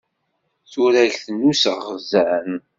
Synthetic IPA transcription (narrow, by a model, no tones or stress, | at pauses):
θuɾæɮθənːusəʁəzæn